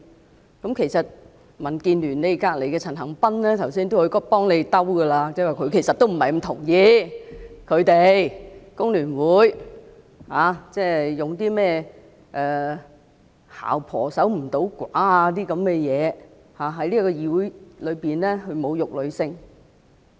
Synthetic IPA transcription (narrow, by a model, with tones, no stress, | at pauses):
kɐ˨˥mkʰe˨˩jsɐ˨t̚ | mɐ˨˩nkiː˧nlyː˨˩nne˨˧jkaː˧k̚le˨˩jkɛː˧t͡sʰɐ˨˩nɦɐ˨˩ŋpɐ˥nlɛː˥t̪ʰɐ˨˩wsiː˥nt̪o˥whɔ˧˥kɔ˥pɔː˥ŋle˨˧jt̪ɐ˥wɡɐ˧laː˧t͡sɛ˥waː˨˩kʰɵ˨˧ɥkʰe˨˩jsɐ˨t̪̚ːo˥wm̩˨˩hɐ˨jm̩˨˩t̪ʰʊ̰˨˩ŋjiː˧ | kʰɵ˨˧ɥt̪e˨jkʊ˥ŋlyː˨˩nwuː˨˥j | haː˨˧t͡sɛː˥˩˨jʊ˨ŋt̪iː˥mɛː˥˩ | ʔɛː˨ | ha̰ː˨˩wpʰɔ̰ː˨˩sɐ˨˥wm̩˨˩t̪o˨˥wkʷaː˨˥a˧t̪̬iː˥kɐ˨˧˥mkɛː˧jɛː˨˧ | haː˨ɦɐ˨˥jliː˥kɔː˧jiː˨˧wu˨˥jlɵ˨˧ɥpiː˨nlɛː˥ɦɵ˧ɥmo˨˧wjʊ˨k̚lɵ˨˧ɥsɪ˧ŋ